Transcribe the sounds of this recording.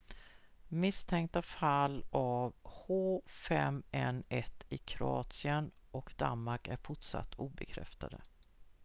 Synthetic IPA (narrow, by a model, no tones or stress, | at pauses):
mɪst̪ʰɛŋk̚t̪afalːʔavhoːfɛmɛnɛt̪ːɪkʰɾʊɑːt̪sɪən | ʔɔkd̪a̰nmaɾkæɾfʊʈʂa̰t̪ʰːuːbɛkʰɾɛ̰ft̪a̰d̪ə̰